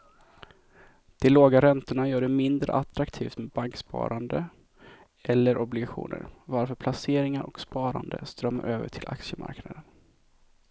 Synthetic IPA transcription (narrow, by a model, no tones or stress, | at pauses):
d̪̥ɛloːɡaɾɛnt̪ʊɳajœːɖɛmɪnd̪ɾə̰ʔat̪ɾakt̪ʰiːft̪mɛbaŋkspɑ̰ːɾand̪ə | ʔɛlːəɾʔɔblɪɡaɧṵːnʔə̰ɾvaɾfœːpʰlaseːɾɪŋaɾʔɔkspɑːɾa̰nd̪ə̰st̪ɾœmːa̰ɾʔøːvə̰ʈʰɪlʔa̰kʂəmʔa̰ɾknad̪ən